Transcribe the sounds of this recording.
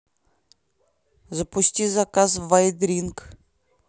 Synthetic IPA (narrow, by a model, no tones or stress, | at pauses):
zapusʲt̪ʲizakasvajd̪ɾʲiŋk